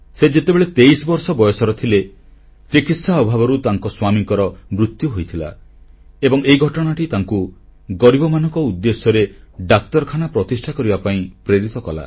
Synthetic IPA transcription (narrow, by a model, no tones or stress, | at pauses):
sed͡ʒet̪ebeɭet̪ejsɔbɔɾsɔbɔjɔsɔɾɔt̪ʰile | t͡ʃikit̪saɔbʱabɔɾut̪aŋkɔswamiŋkɔɾɔmɾut̪juɦojt̪ʰila̰ | ebɔŋeiɡʱɔʈɔɽ̃aʈit̪aŋkuɡɔɾibɔmanɔŋkɔud̪ːesjɔɾeɖak̚t̪ɔɾɔkʰanapɾɔt̪isʈʰakɔɾibapaĩpɾeɾit̪ɔkɔla̰